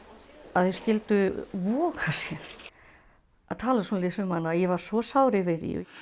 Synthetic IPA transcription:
aðhɛɾ̥scɪlt̪ʏvɔːkasjɛ | aðt̪ʰaːlasunalɪsʏmanːajɛvaɾ̥svɔsawɾɪvɪðḭ

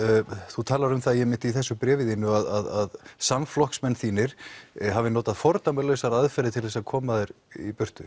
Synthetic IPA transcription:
θut̪ʰaːlaɾʏmθaðjɛmɪnt̪iθɛsːʏpɾɛːvɪðɪnʏaðaðaðsamflɔhksmɛnːθiːnɪɾ̥ɦavɪnoːt̪aðfɔɾt̪amɛlœsaɾaðfɛɾɪt̪ʰɪlθɛsaðkʰɔːmaðɛɾ | ipʏr̥t̪ʏ

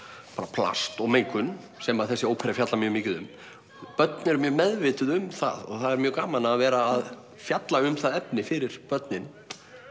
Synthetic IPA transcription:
paːɾapʰla̰st̪ɔɣmejŋkʏn | sɛmaðθɛsːɪowpʰɛɾjafjat̪lamjœːmɪːcɪðʏm | pœt̪nɛɾmjœːmɛðvɪːt̪ʏðʏmθa̰ðɔ̰ɣθaðɛɾmjœːkaːmanaːðvɛːɾaːð | fjat̪laʏmθaðɛpnɪfɪɾɪɾ̥pœt̪nɪn

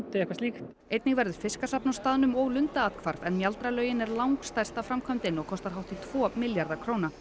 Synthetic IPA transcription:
t̪ɪɛhkvaɾsliːxt̪ | ejt̪nɪŋvɛɾðʏɾ̥fɪskasapnast̪aːðnʏmɔɣlʏnt̪aaːt̪kʰvaɾvɛnmjalt̪ɾalœːɥjɪnɛɾlawŋkst̪ajrst̪afɾamkʰœmt̪ɪnɔɣkʰɔst̪aɾɦawht̪ɪt̪ʰv̥ɔːmɪljaɾðakʰɾoːwna

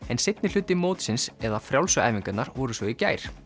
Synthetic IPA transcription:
ɛnsɪt̪̚nɪ̥ʏːt̪ɪmoːwt̪sɪnsɛðafɾjawlsʏa̰jviŋkʏt̪naɾvɔɾʏsvɔicaːjɾ̥

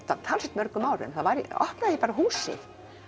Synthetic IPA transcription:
t̪at̪ʰalsɛ̥t̪mœɾkʏmaːwɾʏ̰nθaðvaɾiɔ̰hpnaðipaːɾaɦuːsɪ̰ð

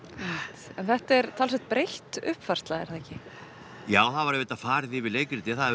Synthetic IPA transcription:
ɛmɪt̪ɛnθɛht̪ɛɾt̪ʰals̬ɛht̪̚pɾejht̪ʏhpfar̥st̪laɣɛɾ̥θaðɛcɪ | jaːwθaðvaɾɪvɪːt̪afaːɾɪθɪvɪleːjkɪɾt̪ɪθað

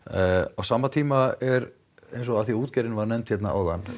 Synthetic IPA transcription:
awsaːmːat̪ʰiːmaɛɾ | ejnsɔaθiuːt̪cɛɾɪnvaɾnɛmnt̪fjɛt̪naa̰wðan

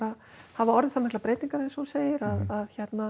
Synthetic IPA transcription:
ɾa | havaɔɾðɪθaːmɛhklapɾeːjt̪iŋkaɾɛ̃sɔseːjɪɾaðaðçɛt̪na

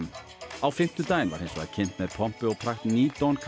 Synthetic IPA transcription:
awfɪm̥t̪ʏt̪aːjɪnva̰ɾhejnsɔɣa̰ðcʰɪn̥t̪mɛðpʰɔm̥pʏɔɣpʰɾaxt̪niːt̪ɔnkʰ

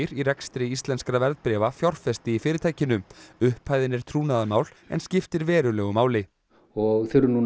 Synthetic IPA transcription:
ɾiɾɛkst̪ɾɪist̪lɛnskɾavɛɾðpɾɛːvafjawr̥fɛst̪ɪifɪːɾɪt̪ʰaːjcɪnʏmʏhphajðɪnɛɾ̥t̪ʰɾuːnaðamaːwl | ɛ̰nscɪft̪ɪɾvɛːɾʏlɛɣʏmaːwlɪ | ɔɣθʏɾʏnu

